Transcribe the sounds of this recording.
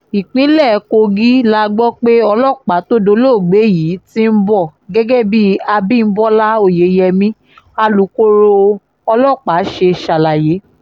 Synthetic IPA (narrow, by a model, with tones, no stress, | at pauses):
i˨k͡pĩ˨˦lɛ˦˨˦ko˧ɡi˦la˦ɡ͡bɔ˦k͡pe˦ɔ˧lɔ˦˨k͡pa˨˦to˦do˧˦lo˦˨ɡ͡be˨˦ji˨˦ti˦m̩˦bɔ˦˨ɡɛ˦ɡɛ˦bi˦a˧bĩ˦˨n̩˦bɔ˦la˦o˦˨je˨˦jɛ˧mĩ˦ | a˧lu˨˦ko˦ɾo˧ | ɔ˧lɔ˦˨k͡pa˨˦ʃe˧ʃa˧la˨je˨˦